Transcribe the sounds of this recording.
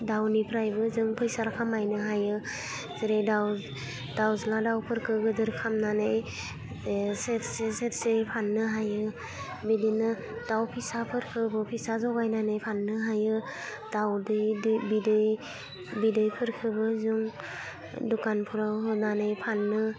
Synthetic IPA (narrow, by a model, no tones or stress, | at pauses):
dawnipʰɾajbɯzɯŋpʰɯjsaɾkʰamajnɯɦajɯ | zɯɾedaw | dawzladawpʰɯɾkʰɯɡɯdɯɾkʰamnanej | setseset̚ʰsepʰanːɯɦajɯ | bidinɯ | d̥awpʰisapʰɯɾkʰɯbɯpʰisazɔɡajnanɯjpʰanːɯɦajɯ | d̥awdɯjbidɯj | bidɯjpʰɯɾkʰɯbɯzuŋ | dukanpʰuɾawɦɯnanɯjpʰanːɯ